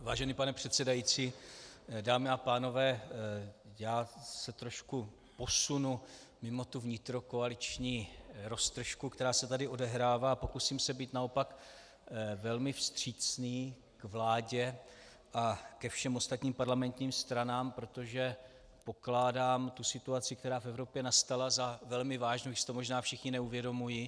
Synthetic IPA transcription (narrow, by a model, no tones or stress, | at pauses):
vaːʒɛniːpanɛpr̥ɛt̪sɛdajit͡siː | daːmɪapaːno̞vɛː | jaːsɛt̪ɾo̞ʃku | po̞sunu | mɪmo̞t̪uvɲɪt̪ɾo̞koalɪt͡ʃɲiːɾo̞st̪r̩ʃkukt̪ɛɾaːsɛt̪adɪʔo̞dɛɦɾaːvaːpo̞kusiːmsɛbiːt̪nao̞pak | vɛlmɪfst̪r̝̥iːt͡sniː | kvlaːɟɛ | ʔakɛfʃɛmo̞st̪at̪ɲiːmpaɾlamɛnt̪ɲiːmst̪ɾanaːmpɾo̞t̪o̞ʒɛ | po̞klaːdaːmt̪usɪt̪uat͡sɪkt̪ɛɾaːfɛvɾo̞pjɛnast̪alazavɛlmɪvaːʒnoɪsɪ̥t̪omoʒnaːfʃɪxɲɪnɛuvjɛdo̞muji